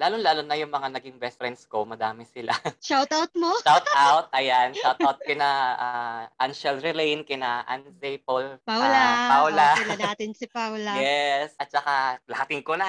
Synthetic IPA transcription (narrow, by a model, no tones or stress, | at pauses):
laːlonlaːlonɐjʊŋmɐŋanɐɡɪŋvɛstɾɛnskomɐd̪aːmɛsɪla̰ʃawt̪awt̪̚moʃawt̪̚ʔawt̪̚ʔɐjanʃawt̪awt̪̚kɪnaʔaʔanʃɛlɾɪlɛjnkɪnaʔa̰nsɛjpolpawlapawlalɐnaːt̪ɪnsɪpawlɐjɛsʔɐt̪̚t͡ʃɐkalɐhat̪ɪŋkonɐ